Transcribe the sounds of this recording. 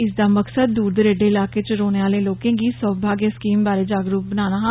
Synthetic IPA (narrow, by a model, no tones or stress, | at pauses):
ɪsd̪aːməksəd̪̚ːuːɾd̪əɾeːɖeːɪlaːkeːt͡ʃəɾoːneːaːleːloːkẽːɡiːsəːbʱaːɡjeskiːmbaːɾeːd͡ʒaːɡɾuːp̚bənaːnaː